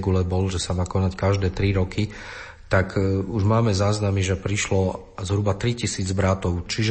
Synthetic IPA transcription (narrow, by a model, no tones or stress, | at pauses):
ɡulɛbɔlʒɛsamaːkɔnackaʒd̪ɛːt̪ɾiɾɔki | t̪akuʒmaːmɛzaːznamiʒɛpɾiʃlɔ | zɦɾubat̪ɾicisiːd͡zbɾat̪ɔʊt͡ʃiʒɛ